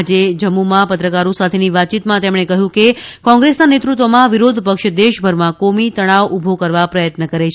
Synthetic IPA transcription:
d͡ʒed͡ʒəmːumapət̪ɾəkaɾõsat̪ʰeniʋat̪̚t͡ʃit̪mãt̪emɽ̃ekəɦjũkekɔ̃ŋɡɾesnanet̪ɾut̪ʋəmãʋiɾod̪ʱpəkʃd̪eʃbʱəɾmãkomit̪əɽ̃aʋubʱokəɾʋapɾəjət̪nəkəɾet͡ʃʰ

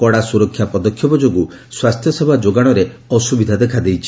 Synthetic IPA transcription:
kɔɽasuɾɔkʰːjapɔd̪ɔkʰːjɔbɔd͡ʒoɡuswast̪ʰjɔsebʱad͡ʒoɡaɽ̃ɔɾeɔsubid̪ʱad̪ekʰad̪ejt͡ʃʰi̥

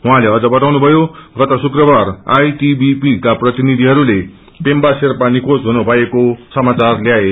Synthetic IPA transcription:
ɦuɦãleʌd͡zʌbʌt̪awnubʱʌjoɡʌt̪ʌsukrʌbara̰jʈibipikaprʌt̪inid̪ʱiɦʌɾule | pembaserpanikʰosɦunubʱʌekosʌmat͡sarljae

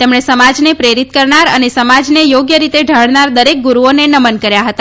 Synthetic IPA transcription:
t̪emɳesəmad͡ʒnepɾeɾit̪kəɾnaɾənesəmad͡ʒnejoɡjəɾit̪eɖʱəɭnaɾd̪əɾek̚ɡuɾuonenəmənkəɾjaɦət̪a

